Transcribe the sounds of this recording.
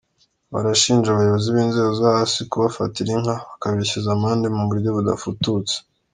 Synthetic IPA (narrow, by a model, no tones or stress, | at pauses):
βa̰ɾaʃiːnʒaβajo̞βo̞ziβiːnze̞ːɡozahasikuβafatiɾiŋhaβakaβiçizamaːndemuŋɡuɾuɟoβuda̰futut͡se̥